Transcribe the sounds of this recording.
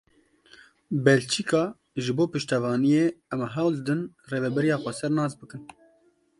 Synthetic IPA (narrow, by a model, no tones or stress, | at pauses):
bɛlt͡ʃʰikɑː | ʒɨboːpɨʃt̪ɛvɑːnijeːɛmɛɦawzd̪ɨn | reːvɛbɛɾijɑːxʷɛsɛɾnɑːzbɨkɨn